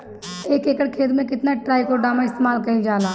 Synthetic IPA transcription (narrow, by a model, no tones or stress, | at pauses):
eːkeːkəɽkʰeːt̪mẽkɪt̪naʈɾaːikoɖaːmãɪst̪eːmaːlkəĩd͡ʒaːlaː